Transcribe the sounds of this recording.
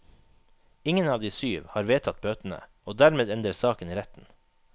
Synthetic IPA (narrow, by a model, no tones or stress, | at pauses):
ɪŋənɑːʋd̪iːsyːʋhɑːɾʋeːt̪ʰɑt̪̚bøːt̪n̩ə̰ | oːd̪æɾmeːd̪ɛnd̪əsɑːkən̩iːɾɛt̪n̩